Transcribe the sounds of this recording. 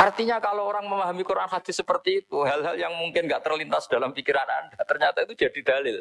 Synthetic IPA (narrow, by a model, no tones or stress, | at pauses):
ʔart̪iɲakalooɾaŋməmaɦamikuɾaanhat̪isəpərt̪iːt̪uɦalɦaljaŋmuŋkɪnŋɡaʔt̪ərlint̪asd̥alamfikiɾana̰ndat̪ərɲat̪ait̪ud͡ʒad̥id̥alɪl